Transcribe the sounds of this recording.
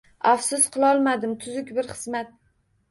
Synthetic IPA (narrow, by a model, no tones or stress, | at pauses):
afsʊsqʰɨlˠɒlˠmad̪ɪmt̪ʰʊzʊkʲbɪɾχɨ̥zmat̪̚